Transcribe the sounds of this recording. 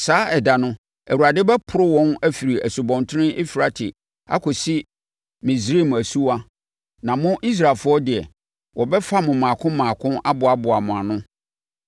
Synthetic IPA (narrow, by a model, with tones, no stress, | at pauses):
saː˦ɛ˨da˨nʊ̃˦ | æ˨wu˨ɾa˨dɪ˦bɛ˦pʰʊ˨ɾʊ˦wɔ̃˦næ˦fi˨ɾi˨æ˨su˨bɔ̃˨ntʰɪ̃˦ʔe˦fi˨ɾa˦tʰɪ˨ | a̰˦kʰʊ˨sɪ˦ | mĩ˨sɾe˦˨m˨æ˨su˦wa˦ | nã˨mʊ̃˦ʔi˦s̬ɾa˨lfʊ˦ɔ˦dɪ˨ɛ˨ | wɔ˨bɛ˦fa˦mʊ̃˨mãː˨kʰʊ̃˦mãː˨kʰʊ̃˦a˦bʊ˨a˨bʊ˨a˨mʊ̃˨a˨nʊ̃˦